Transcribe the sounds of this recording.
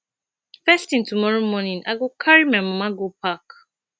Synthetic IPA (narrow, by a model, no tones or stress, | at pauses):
fɛstĩntumɔɹomɔnĩna̰ɡokʰaɹimãmãmaɡopʰak